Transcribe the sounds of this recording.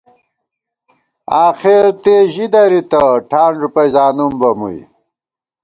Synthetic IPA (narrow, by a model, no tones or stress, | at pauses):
aːxeɾt̪eʑid̪ɐɾit̪ɐʈʰaːɳɖɾupɐjzaːnumbɐmṵj